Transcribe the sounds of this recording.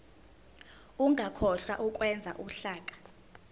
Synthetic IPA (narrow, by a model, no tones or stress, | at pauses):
uŋʱakʰɔɬwa̰ʔuk̬ʼwɛnd͡zʱa̰ʔuɬaːkʼḁ